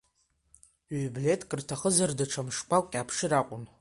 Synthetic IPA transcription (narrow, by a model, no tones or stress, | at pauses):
ɥble̞tʼkʼɨrtʰaχəzardaʈ͡ʂʰamʂkʷʰakʷʼkʲʼapʰʂɨɾaqʷʼʊn